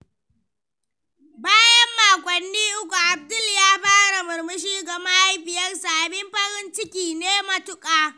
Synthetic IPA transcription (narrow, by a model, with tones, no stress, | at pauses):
baː˦jɐ˦mːaː˨kʷʼɔ˨nːiː˦ʔʊ˦kʷu˨ʔa˨b̚dʊ˦ljaː˦ɸaː˦ɽa˨mɐ˨rmɐ˦ʃ̬iː˦ɡɐ˨ma˦a˦jɸɪ˨jɐ˦rsa˨ʔa˨bɪ˦mɸɐ˦ɾɪ˦nt͡ʃɪ˦kʲiː˨neː˦mɐ˨tʊ˦kʼaː˦